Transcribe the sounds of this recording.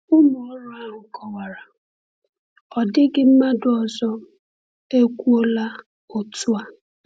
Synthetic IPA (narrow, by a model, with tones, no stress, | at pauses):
ʊ˦mʊ˨ɔ˦ɾʊ˦a˦ɦʊ˨kʰɔ˨wa˨ɾa˨ | ɔ˨dɪ˦ɡɪ˦m̩˦ma˦dʊ˨ɔ˨zɔ˦ | e˦kʷu˦o˦la˦ | o˨tu˦a˦